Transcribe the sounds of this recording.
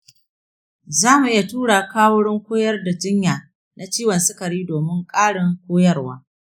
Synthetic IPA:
zaː˦mu˨ʔɪ˦ja˨tuː˦ɽaː˨kaː˦wʊ˦ɽɪ˦ŋkʷoː˦jɐ˦rda˨d͡ʒɪ˦ɲjaː˨ | na˨t͡ʃiː˦wɐ˨nsɪ˦kɐ˨ɾiː˦doː˨mɪ˦ŋkʼaː˦ɽɪ˨ŋkʷoː˦jɐ˦rwaː˦

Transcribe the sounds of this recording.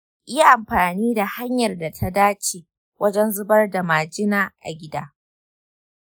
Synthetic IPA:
ʔʔɪ˦ja˦ʔa˨mɸaː˨niː˦da˨ha˦ɲjɐ˨rda˨tʰa˦daː˦t͡ʃeː˨ | wɐ˦d͡ʒɛ˦nzʊ˦bɐ˦rda˨maː˨d͡ʒɪ˦naː˦˨ʔa̰˨ɡʲɪ˦daː˦

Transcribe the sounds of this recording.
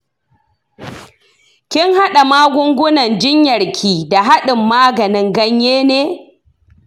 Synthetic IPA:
kʲɪ˦ŋha˦ɗa˨maː˦ɡʷʊ˦ŋɡʷʊ˦nɐ˨nd͡ʒɪ˦ɲjɐ˨ɽkʲʰiː˨da˨ɦa˦ɗɪ˨mːaː˦ɡɐ˨nɪ˦ŋɡɐ˦ɲjeː˦neː˦

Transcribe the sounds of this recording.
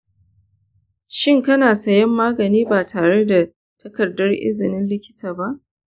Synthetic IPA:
ʃɪ˦ŋkɐ˦naː˨sɐ˦jɐ˦mːaː˦ɡɐ˨niː˦baː˨tʰaː˨ɽe˦da˨ | tɐ˦kɐ˨dːɐ˦rʔɪ̰˦zɪ˨nɪ˦nlɪ˦kʲɪ̥˦taː˨ba˦ʔ

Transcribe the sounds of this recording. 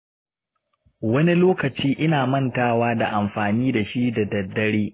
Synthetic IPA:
wɐ˦ni˦loː˦kɐ˨t͡ʃiː˦ʔɪ˦naː˨mɐ˦ntaː˦waː˦da˨ʔa˨mɸaː˨niː˦da˨ʃi˦da˨dɐ˨dːɐ˦ɽeː˦

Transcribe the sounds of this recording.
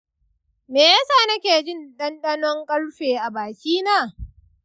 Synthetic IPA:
meː˨ja˦saː˦˨nɐ˦kʲeː˨d͡ʒɪ˦˨nɗɐ˦nɗɐ˦nɔ˦ŋkʼɐ˦ɽɸeː˨ʔa˨baː˨kʲiː˦naː˦˨

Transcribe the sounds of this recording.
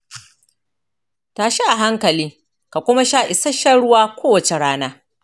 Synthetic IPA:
taː˨ʃi˦ʔa˨ɦa˦ŋkɐ˨liː˦ | ka˨kʷʊ˦ma˦ʃaː˦ʔɪ˨sɐ˦ʃɐ˦ɽʊ˦waː˦kʷoː˦wɐ˨t͡ʃe˨ɽaː˦naː˦

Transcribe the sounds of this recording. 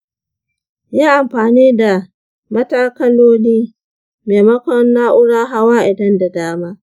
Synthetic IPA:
jaː˦ʔa˨mɸaː˨niː˦da˨ | mɐ˦taː˦kɐ˦loː˦niː˦ | meː˨mɐ˦kʷɔ˦nːaː˦ʔʊ˦ɽaː˦ɦa˦waː˦ʔɪ˨dɐ˦nda˨daː˦maː˦

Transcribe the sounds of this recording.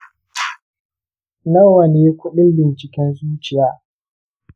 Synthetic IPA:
nɐ˦wɐ˨neː˦kʷʊ˦ɗɪ˦nbɪ˨nt͡ʃɪ˨kʲɛ˦nsu˦t͡ʃɪ˨jaː˦

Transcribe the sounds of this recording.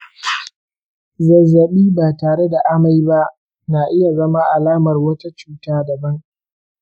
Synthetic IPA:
zɐ˨zːɐ˨ɓiː˦baː˨taː˨ɽe˦da˨ʔa˦ma˨jba˦ʔ | na˨ʔɪ˦ja˨zɐ˦ma˦ʔa˨laː˦mɐ˨rwɐ˦ta˦t͡ʃuː˦taː˦dɐ˨bɐ˦ŋ

